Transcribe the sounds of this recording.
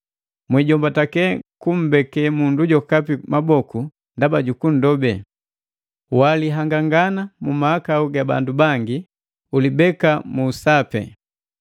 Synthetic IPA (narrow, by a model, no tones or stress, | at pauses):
mwiɟɔmbatakɛkum̩bɛkɛmunduɟɔkapimabɔku | ndabaɟukun̩dɔbɛ | waliɦaŋɡaŋɡanamumaːkauɡaba̰ndubaŋɡi | ulibɛkamuːsapɛ̰